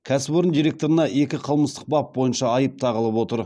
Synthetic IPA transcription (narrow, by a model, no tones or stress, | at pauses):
kʲʰæsɪbo̞ɾənd̪ijɾe̞k̚t̪oɾənɑʔe̞kʲɪqʰəlˠməst̪ə̥q̚bɑp̚bo̞jənʃɑːjəp̚t̪ʰɑʁəlˠəpwo̞t̪əɾ